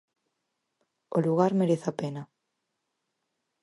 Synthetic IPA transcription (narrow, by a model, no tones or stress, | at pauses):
oluɣaɾmeɾeθapena